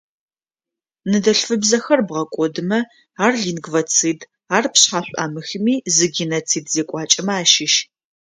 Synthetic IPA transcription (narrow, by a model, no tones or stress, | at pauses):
nɨdɐɬfɨbzɐxɐrbʁɐkʷʼɔdɨmɐ | aːrɮinɡvɐt͡sʰɨːd | aːrpɕħaːɕʷʼa̰ːmɨxɨmiːzɨɡʲinɐt͡sʰiːdzeːkʷʼɑːt͡ʃʼɐmaːʃɪʃ